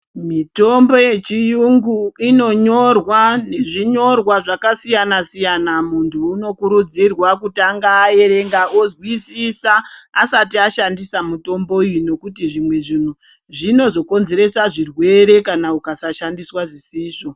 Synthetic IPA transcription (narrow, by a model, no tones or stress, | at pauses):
mito̞mbo̞je̞t͡ʃijuŋɡuino̞ɲo̞rwane̞ʐiɲo̞rwaʐakasijanasijanamuntʰuːno̞kuɾud͡zirwakutaŋɡaːe̞ɾe̞ŋɡaozwisisaːsatiaʃandisamuto̞mbo̞ujuno̞kutiʐimwe̞ʐin̤u | ʐino̞zo̞ko̞nze̞ɾe̞saʐirwe̞ɾe̞kanaukasaʃandiswaʐisiːʂo